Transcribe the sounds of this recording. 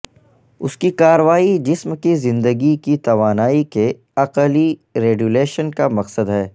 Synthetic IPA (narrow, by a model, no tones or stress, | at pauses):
ʊskikaːɾəʋaːid͡ʒɪsmkizɪ̃nd̪əɡikit̪ɐʋaːnaːike | ɐqəliɾeːɡuleːʃənkamɐqsəd̪ɦɛː